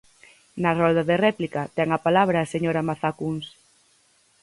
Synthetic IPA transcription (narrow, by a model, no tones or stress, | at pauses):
nɐrɔld̪ɐðerɛplikɐt̪ɛŋapalaβ̞ɾaːseɲoɾamaθakuns